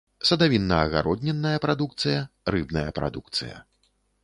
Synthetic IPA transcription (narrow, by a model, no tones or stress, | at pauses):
sɐd̪avʲinːɐːɣa̰ɾɔd̪ʲnʲɛnːɐjɐpɾad̪uk̚t̪sɨjɐrɨbnɐjɐpɾa̰d̪uk̚t̪sɨjɐ̰